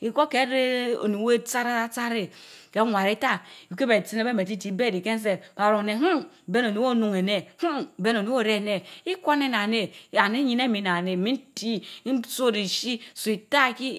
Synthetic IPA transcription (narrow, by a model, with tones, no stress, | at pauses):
i˨ko˦ke˨˦ɾe˦o̰˨nu˨˦we˦t͡sa˦ɾa˦a˦t͡sa˦ɾe˨ke˨˦ŋʷa˨ɾi˦ta˦˨˦ke˦be˨si˦ne˦be˦me˨ti˦ti˨˦be˦˨di˨ke˦n˦s̬e˨ba˨ɾo˨ne˨ɦu˦˨ | be˦no˨nu˨˦wo˦nu˨ŋe˨ne˦hu˦˨be˦no˨ni˦o˦ɾe˦˨ne˨i˦ko˦ne˦na˨ne˨a˨ne˦ɲi˦ne˦mi˨na˨ne˨mi˦n˦ti˦so˦ɾi˨ʃi˦su˨i˨ta˦˨ki˦